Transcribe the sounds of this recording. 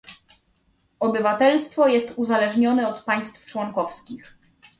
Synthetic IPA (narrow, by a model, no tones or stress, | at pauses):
ɔbɘvat̪ɛlst̪fɔjɛst̪uzalɛʐɲɔnɛɔt̪paj̃st̪ft͡ʂwɔŋkɔfskʲix